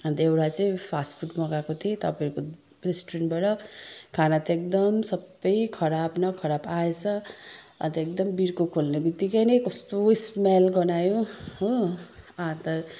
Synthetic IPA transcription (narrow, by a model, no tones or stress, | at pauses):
ʌnt̪ewɽat͡saĩpʰaspʰuʈmʌɡakot̪ʰit̪ʌpaʌɾuko | resʈɾenbaʈʌkʰanat̪ʌek̚d̪ʌmsʌbːʌjkʰʌɾabnʌkʰʌɾapaet͡sʰʌ | ʌ̰nt̪ʌek̚d̪ʌmbiɾkokʰolnebit̪ikʌjnʌjkʌst̪oismalɡʌnajõɦo | ãt̪ʌ